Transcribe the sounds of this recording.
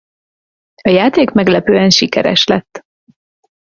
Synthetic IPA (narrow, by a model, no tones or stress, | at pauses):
ɒjaːt̪eːkmɛɡlɛpøːɛnʃikɛ̰ɾɛ̰ʃlɛt̪ː